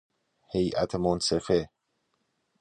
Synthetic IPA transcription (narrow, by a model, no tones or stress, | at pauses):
hejʔæ̰t̪ʰemonsefe